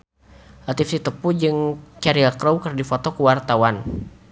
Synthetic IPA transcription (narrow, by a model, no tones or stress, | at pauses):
lat̪ifsit̪əpud͡ʒɨŋt͡ʃaɾiakɾowkɨrdifɔt̪ɔkəwart̪awan